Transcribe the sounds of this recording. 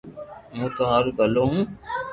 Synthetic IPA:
mũːt̪oːɦaːɾuɡəloːɦũː

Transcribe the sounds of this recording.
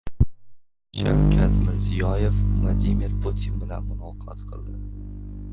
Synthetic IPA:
ʃa̰wkʲʰat̪mɪɾzijɒjefvlˠad̪imiɾpʰut̪ʰinbɪlanmʊnɒqʰɒt̪qʰɨlˠd̪ɪ

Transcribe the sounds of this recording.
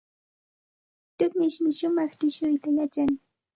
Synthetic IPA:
t̪ʊkmɪʃmɪʃʊmɑχt̪ɪʃʊjt̪ajat͡ʃaŋ

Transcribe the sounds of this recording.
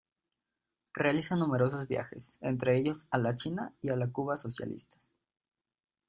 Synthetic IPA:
realisanume̞ɾo̞s̬o̞zβja̰xe̞̰sḛnt̪ɾe̞eʝo̞salat͡ʃinaialakuβaso̞sja̰lʔḭst̪ḁ

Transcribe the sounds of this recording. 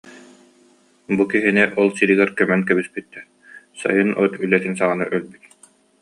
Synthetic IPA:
bukiɦinɛʔɔlˠsiɾiɡɛɾkœmɛnkɛbispit̪ːɛ | sa̰jɯnɔt̪ylɛt̪insaʁanɯʔœlbyt̪̚

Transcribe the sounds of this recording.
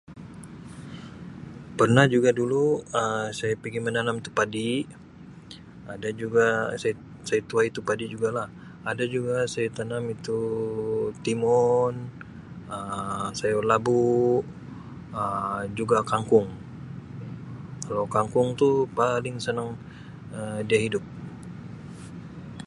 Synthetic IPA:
pərnahd͡ʒuɡaduluəsajapiɡimənanamit̪u̥padi | adad͡ʒuɡasaja | sajat̪uait̪upadid͡ʒuɡalah | adad͡ʒuɡasajat̪anamit̪u | t̪imɔn | əsajalabu | əd͡ʒuɡakaŋkʊŋ | kalawkaŋkʊŋt̪upalɪŋsənaŋ | ədiaɦidʊp̚

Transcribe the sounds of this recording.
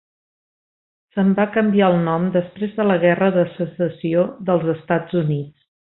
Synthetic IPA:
səmbakəmbiaəlˠnɔmd̪əspɾezðələɣɛrəðəsəsəsioðəlˠzəst̪ad͡zunit͡s

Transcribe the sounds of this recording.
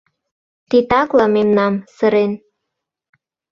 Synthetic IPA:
t̪it̪ɑklɑmemnɑmsə̆ɾen

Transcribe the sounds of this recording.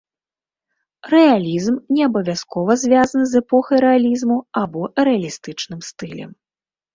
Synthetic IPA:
rɛalʲizmnʲɛɐbɐvʲjaskɔvɐzʲvʲazɐnɨzɛpɔxɐjɾɛalʲizmuabɔɾɛalʲist̪ɨt͡ʂnɨmst̪ɨlʲɛ̰m

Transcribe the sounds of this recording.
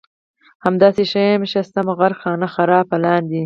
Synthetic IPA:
hamd̪ɑːseʃajmʃast̪amaɣaɾxɑːnaxaɾɑːpalɑːnd̪i

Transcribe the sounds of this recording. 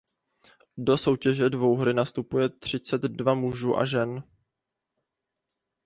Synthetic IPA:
do̞so̞wcɛʒɛdvo̞wɦɾɪnast̪upujɛt̪r̝̥ɪt͡sɛd̪dvamuʒuːʔa̰ʒɛn

